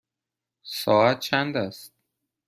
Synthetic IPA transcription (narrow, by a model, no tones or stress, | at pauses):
sɒːæt̪̚t͡ʃʰænd̪æst̪̚